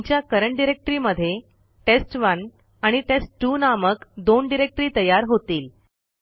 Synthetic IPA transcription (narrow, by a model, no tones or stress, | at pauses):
t͡ɕjakəɾəɳʈ̚ɖiɾek̚ʈəɾiːməd̪ʱːje | ʈesʈʋən | aɽ̃iʈesʈːunaməkd̪onɖiɾek̚ʈɾiːt̪əjaɾɦot̪iːl